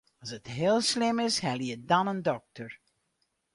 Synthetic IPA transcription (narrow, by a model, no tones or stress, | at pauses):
ɑsətɦɪːlˠslɪmɪshɛlˠjədɑnəndɔk̚təɹ